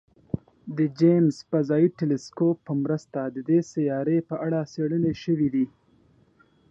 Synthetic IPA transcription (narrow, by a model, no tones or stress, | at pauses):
d̪əd͡ʒemzpazɑjiʈelɪskopːəmɾəst̪ad̪əd̪esajɑɾepəʔaɽaseɽəneʃəwid̪i